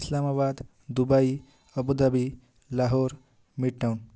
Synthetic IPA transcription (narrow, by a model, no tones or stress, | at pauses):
islamabad̪ | d̪ubai | ʌbud̪ʌbi | laɦoɾ | miʈːawn